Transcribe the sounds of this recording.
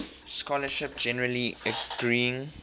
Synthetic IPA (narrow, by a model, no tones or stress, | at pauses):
skɔləʃɪp̚d͡ʒɛnəɹəliəɡ̥ɹiːɪ̃ŋ